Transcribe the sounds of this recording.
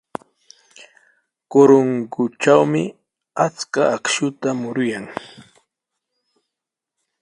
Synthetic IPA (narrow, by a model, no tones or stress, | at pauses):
koɾoŋɡʊt͡ʃawmɪ | at͡skaʔakʃʊt̪amʊɾʊjaŋ